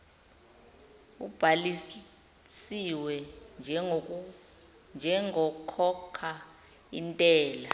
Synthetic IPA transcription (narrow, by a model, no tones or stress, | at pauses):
ṵb̥ʱali | siwɛ | nd͡ʒʱɛŋɔkʰɔkʰa | intʼɛːla